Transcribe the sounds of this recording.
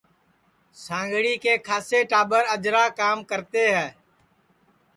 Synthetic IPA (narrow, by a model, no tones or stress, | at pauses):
sãːŋɡɽiːkeːkʰaːseːʈaːɓəɾəd͡ʒɾaːkaːmkəɾt̪eːɦɛː